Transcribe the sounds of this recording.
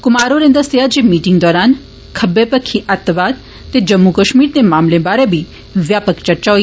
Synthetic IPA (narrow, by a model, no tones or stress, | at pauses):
kʊmaɾoɾẽnd̪əsijad͡ʒimiʈiŋɡd̪ɔɾan | kʰəbepəkʰːiʔat̪ːʋad̪ | t̪ːed͡ʒəmːukəʃmiɾt̪emaːmlẽbaɾebʱi | ʋjapəkt͡ʃəɾt͡ʃaʋ